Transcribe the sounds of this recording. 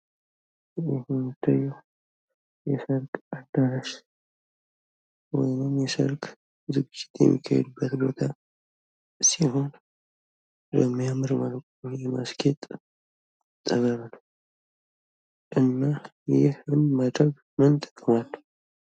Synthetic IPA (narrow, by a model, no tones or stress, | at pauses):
jɛhunt̪ʰːaju | jɛsəlkʼad̪ːaɾaʃ | wɔ̰jnɨmjɛsə̰lkʼ | zɨɡɨd͡ʒːɪ̥t̪jɛ̰mːḭkʰːa̰hɛ̰d̪ubːət̪bo̞t̪ʰa | siho̞n | bəmːijamɨɾmalkʼ | ujɛma̰skʰet̪ʼ | t̪ʼːəβəβnəw | ʔɨnːajɪhɨnmad̪ɾəɡ | mənt̪ʼə̥kʼːəmalːə